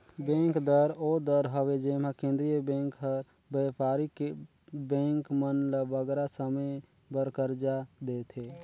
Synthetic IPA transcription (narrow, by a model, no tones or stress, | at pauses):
bɛ̃ːŋkd̪əɾod̪əɾɦəwed͡ʒeːmakẽːnd̪ɾijəbɛ̃ːŋkɦəɾ | bəpaːɾike | bɛ̃ːŋkmənləʋəɡɾasəmə | bəɾkəɾd͡ʒad̪eːt̪ʰe